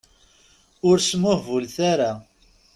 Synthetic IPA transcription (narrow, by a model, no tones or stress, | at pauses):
ʊɾsmʊhvulθaɾa